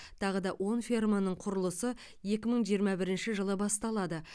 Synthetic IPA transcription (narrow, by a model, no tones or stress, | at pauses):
t̪ʰɑʁəd̪ɑwʔo̞nfʲirmanəɴqʰʊɾəlˠəsə | je̞kʲɪməɴʒijəɾmɑbɪɾɪnʃɪʒəlˠəbɑst̪ɑlˠɑd̪ə